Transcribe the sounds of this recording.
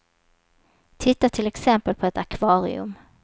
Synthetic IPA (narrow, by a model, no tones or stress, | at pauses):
t̪ʰɪt̪ːaʈʰɪlɛksɛmpəlpʰɔɛt̪akʰvɑːɾɪ̰ɵ̰m